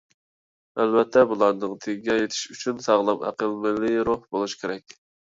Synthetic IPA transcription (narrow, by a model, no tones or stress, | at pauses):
ælvɛt̪ʰːɛbulˠɑɾnɨŋt̪ʰeɡɡʲɛjet̪ʰɪ̥ʃyt͡ʃʰynsɑʁlˠɨmæ̰qəlmɪlɪɾohbolˠuʃkʲʰeɾɛkʲ